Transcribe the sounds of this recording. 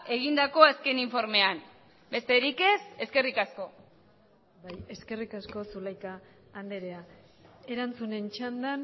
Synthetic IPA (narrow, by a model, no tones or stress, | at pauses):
e̞ɣ̞ind̪ako̞aske̞niɱfo̞ɾme̞an | be̞st̪e̞ɾike̞se̞ske̞rikasko̞ | baje̞ske̞rikasko̞sulajkaː | nd̪eɾea | e̞ɾant͡sune̞nt͡ʃand̪an